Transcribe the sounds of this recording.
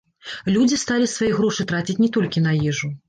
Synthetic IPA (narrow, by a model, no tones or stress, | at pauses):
lʲud͡zʲist̪alʲisvajiɣɾɔʂɨt̪ɾat͡sʲit͡sʲnʲɛt̪ɔlʲkʲinɐjɛʐu